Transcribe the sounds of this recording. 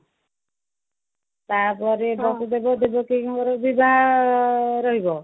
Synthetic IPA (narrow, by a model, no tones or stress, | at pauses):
t̪aɾpɔɾebɔt̪ɔd̪ebɔd̪ebɔkikɔɾɔbiba | ɾɔɦibɔ